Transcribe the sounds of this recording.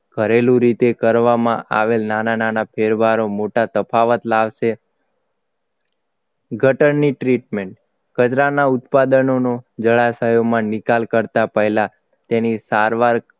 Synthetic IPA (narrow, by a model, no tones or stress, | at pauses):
ɡ̥ʱəɾelũɾit̪ekəɾʋamãʔa̰ʋelnanananapʰeɾbaɾomoʈat̪əpʰaʋət̪laʋʃe | ɡʱəʈəɳːiʈɾiʈmeɳʈ | kət͡ʃɾanaʊt̪pad̪ənonod͡ʒəɭasəjomãnɪkalkəɾt̪apəɦla | t̪enisaɾʋaɾ